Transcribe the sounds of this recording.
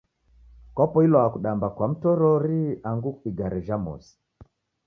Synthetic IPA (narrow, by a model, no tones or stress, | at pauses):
kɔpɔilɔakuɗambakwam̩tɔɾɔɾiaŋɡukiɡaɾɛʒamɔ̰si̥